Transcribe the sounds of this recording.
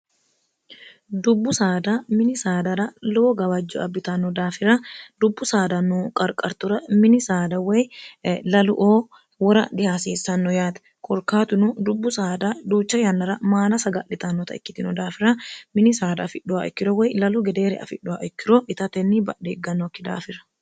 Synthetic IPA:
d̪ʊbːʊsaːd̪amɪnɪsaːd̪ɐɾɐlʊoɡɐwɐd͡ʒːʊ̰ɐbːɪt̪ɐnːɔd̪aːfɪɾɐd̪ʊbːʊsaːd̪ɐnukʼɐɾkʼɐɾt̪ʊɾɐmɪnɪsaːd̪ɐwɛjlɐlʊʔoː | wɔɾɐ̰d̪ɪhaːsiːsːɐnːɔjaːt̪ɐ̥ | kʰʼɔɾkaːt̪ʊnʊd̪ʊbːʊsaːd̪ɐd̪uːt͡ʃːɐjɐnːɐɾɐmaːlɐsɐɡɐʔɪt̪ɐnːɔt̪ɐɪ̰kːɪt̪ɪnɔd̪aːfɪɾɐmɪnɪsaːd̪ɐfɪᶑʊaʔɛkːɪɾɔwɛjlɐlʊɡɛd̪eːɾɛ̰ɐ̰fɪᶑːʊaʔɛkːɪɾoʔɪt̪ɐt̪ɛnːibɐ̰eːɡɐnːɔkːɪd̪a̰ːfɪɾɐ̥

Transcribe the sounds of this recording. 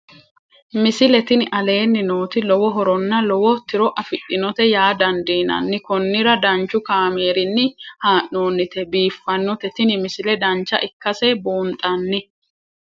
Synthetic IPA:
mɪsɪlɛt̪ɪnɪʔɐle̞ːnːɪno̞ːt̪ɪlɔwɔɦɔɾɔnːɐlɔwɔt̪ɪɾɔʔɐfɪɗːɪnɔt̪ɛjaːd̪ɐnd̪iːnɐ̰nːɪkɔnːɪɾɐd̪ɐnt͡ʃːʊkaːmeːɾɪnːɪhaːʔnoːnːɪt̪ɛbiːfːɐnːɔt̪ɛt̪ɪnɪmɪsɪlɛd̪ɐnt͡ʃːɐ̰ʔɪkːɐsɛboːnt̪ʼɐnːɪ

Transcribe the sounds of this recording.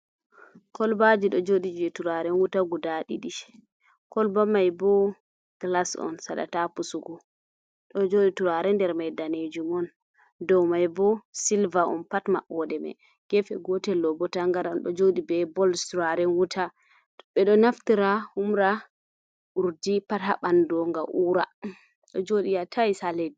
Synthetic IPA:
kɔlbad͡ʒiɗɔd͡ʒoɗid͡ʒɛtuɾaɾɛnwutaɡudaɗḭɗiʃ | kɔlbamajbɔ | ɡ̥lasɔ̰nsa̰ɗa̰tapusuɡɔ | ɗɔd͡ʒoɗituɾaɾɛndɛɾmajdaned͡ʒumɔn | dɔwmajbɔsilvaɔ̰npatma̰ʔɔdɛmɛ̰ | ɡ̥ɛfɛɡɔtɛlːɔbɔtaŋɡaɾanɗɔ̰d͡ʒoɗibɛbɔlstuɾaɾɛnwuta | ɓɛɗɔnaftiɾahumɾa | ʔuɾdipata̰ɓandɔŋɡaʔuːɾa | ɗɔd͡ʒoɗijatʰajsaledi

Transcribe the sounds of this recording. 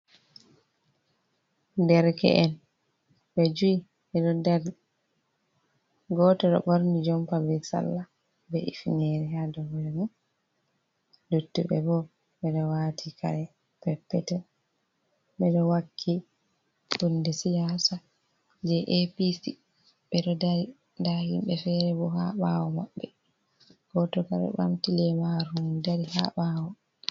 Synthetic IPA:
dɛɾkɛ̰ʔɛn | ɓɛd͡ʒui | ɛɗɔdɛɾ | ɡɔːtɔɗɔ̰ɓoɾnid͡ʒɔmpabɛsa̰lːa | bɛʔḭfnɛɾihadɔmɛmɔ | dutːubɛ̰bɔ | ɓɛɗɔwaːtʰika̰ɾɛ | pɛpːɛtɛ | ɓɛɗɔwakʰːi | bundɛsijaːsa | d͡ʒɛʔepisi | ɓɛɗɔdaɾi | ndahimɓɛfɛɾɛbɔhaɓawɔmaɓːɛ | ɡ̥ɔtɔka̰ɾɛ̰ɓa̰mtilɛmaɾumdaɾiha̰ɓawɔ

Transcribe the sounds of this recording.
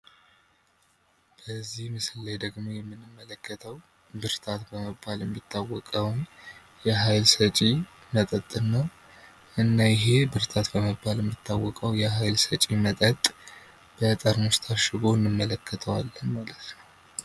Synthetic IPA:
b̥əzːihmɨsɨlːajd̪əɡmojɛmːɨnːɨmːələkʰːət̪ʰəw | bɨɾt̪ʰat̪bəməbːaljɛmːit̪ʰːawːɔkʼəwn | jɛɦajlsət͡ʃʼi | mət̪ʼət̪ʼːɨnːəw | ʔɨnːajɪɦe̞bɨɾt̪ʰat̪bəməbːaljɛmːɨt̪ʰːawːɔkʼəwjɛɦajlsət͡ʃʼimət̪ʼət̪ʼ | b̥ət̪ʼəɾnost̪ʰaʃɪɡoɨnːɨmːələkʰːət̪ʰəwalːənmalət̪nəw

